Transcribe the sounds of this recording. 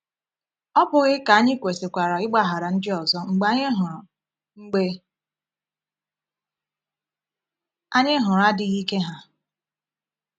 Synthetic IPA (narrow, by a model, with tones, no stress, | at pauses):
ɔ˦pʊ˨ɣɪ˦ka˨a˦ɲɪ˦kʷe˨se˨kʷa˨ɾa˨ɪ˦ɡ͡ba˦ɦa˨ɾa˨n̩˦dɪ˦ɔ˨zɔ˦ŋ͡m̩˨ɡ͡ba˦ɲɪ˦ɦʊ˨ɾʊ˨ | ŋ͡m̩˦ɡ͡be˦ | a˦ɲɪ˦ɦʊ˨ɾa˦dɪ˨ɣi˦ke˦ɦa˨